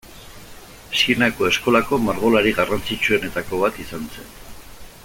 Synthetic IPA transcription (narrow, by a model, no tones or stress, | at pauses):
sinako̞e̞sko̞lako̞maɾɣo̞laɾiɣarant͡sit͡ʃue̞ne̞t̪ako̞βat̪isanse̞̰n